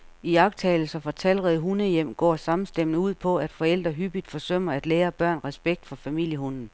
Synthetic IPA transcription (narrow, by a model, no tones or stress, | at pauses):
iɑ̈ɡ̥t͡sʰɛːl̩sɒ̽fɒ̽t͡sʰæl̰ʁɛðˠɦunəjem̰ɡ̥ɒ̰ːsɑ̈mn̩sd̥em̰nəuð̞̰ˠpʰɒ̽æd̥fɒ̽el̰d̥ʁɐɦyb̥id̥fɒ̽søm̰ɐæd̥leːɐb̥ɶɐ̰nʁɛsb̥eɡ̥̚d̥fɒ̽fæmil̰jəɦonn̩